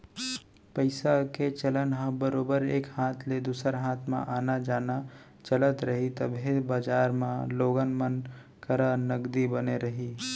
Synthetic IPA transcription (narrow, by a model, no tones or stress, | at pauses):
pəɪsaket͡ʃɐlənɦãbəɾoːbəɾeːkhaːt̪ʰled̪uːsəɾɦaːt̪ʰmã̰ʔaːnad͡ʒaːna | t͡ʃɐlət̪ɾɐɦit̪əbʱibaːd͡ʒaːɾmãloːɡənmən | kəɾənɐɡd̪ibəneɾɐɦiː